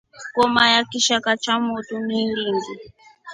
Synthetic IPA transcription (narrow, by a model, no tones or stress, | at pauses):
kɔmajakiʃakat͡ʃamutumiɺiŋɡi